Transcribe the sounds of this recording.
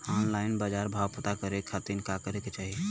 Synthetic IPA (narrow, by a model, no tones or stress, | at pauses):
ɔnlaɪnbad͡ʒaɾbʱawpət̪akəɾekʰat̪inkakəɾeket͡ʃaɦi